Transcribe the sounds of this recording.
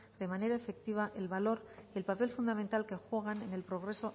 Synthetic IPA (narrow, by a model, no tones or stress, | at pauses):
d̪e̞mane̞ɾaefe̞k̚t̪iβ̞aʔe̞lβalo̞ɾie̞lpape̞lfund̪amẽ̞nt̪alke̞xwe̞ɣ̞anene̞lpɾo̞ɣ̞ɾe̞so̞